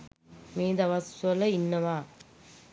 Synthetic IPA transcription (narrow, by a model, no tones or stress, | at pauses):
miːd̪ɐʋɐsɐlɐinːɐʋaː